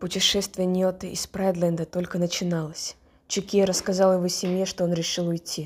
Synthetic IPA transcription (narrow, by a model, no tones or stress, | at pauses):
pʊtʲɪʂɛst̪vʲɪjənʲot̪ɨʔɪspɾad̪lʲənd̪ət̪o̞lʲkənət͡ɕɪnalˠəsʲ | t͡ɕʊkʲiɾəskɐzɑlˠjɪvosʲɪmʲjeʂt̪o̞o̞nɾʲɪʂɨlˠʊjtʲʰːi